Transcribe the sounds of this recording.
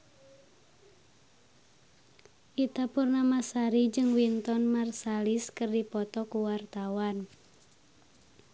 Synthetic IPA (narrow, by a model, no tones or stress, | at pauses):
ʔit̪apurnamasaɾid͡ʒɨŋwint̪ɔnmarsaliskərdipɔt̪ɔkuwart̪awan